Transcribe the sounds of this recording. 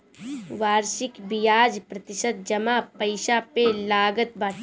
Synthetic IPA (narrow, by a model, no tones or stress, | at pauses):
ʋaːɾʃɪkbɪjaːd͡ʒpɾɐt̪ɪʃət̪̚d͡ʒɐmapəɪʃapelaːɡət̪̚baːʈ